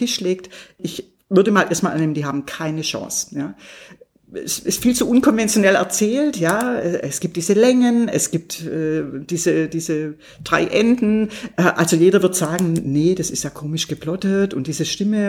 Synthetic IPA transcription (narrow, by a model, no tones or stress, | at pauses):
ɪʃleːktʔɪç | vʏɐdəmaːlʔḛːɐstmalʔaneːməndiːɦaːbm̩kʰaɪnəʃɑ̰̃ːsjaː | ɛ̰sɪstfiːlt͡suʔʊnkʰɔnvɛnt͡sjonɛlɛɐt͡sɛːltjaːɛʔɛsɡ̥iːp̚td̥iːzəlɛŋənɛ̰sɡ̥iːp̚tʔɛːd̥iːzəd̥iːzə | d̥ʁa̰ɪʔɛndn̩ʔɛːʔalzojeːɾɐvɪɐtz̥aːɡŋ̩nəd̥asɪstjaːkʰoːmɪʃɡ̥əblɔtətʊ̰ntd̥iːzəʃtɪmə